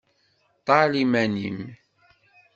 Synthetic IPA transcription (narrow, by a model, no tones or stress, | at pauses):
t̪ˤɑlimænḭm